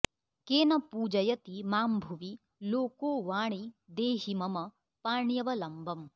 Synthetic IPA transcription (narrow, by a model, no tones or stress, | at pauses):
keːnɐpuːd͡ʒɐjɐt̪imaːmbʱuʋi | loːkoːʋaːɳid̪eːɦimɐmɐ | paːɳjɐʋɐlɐmbʱɐm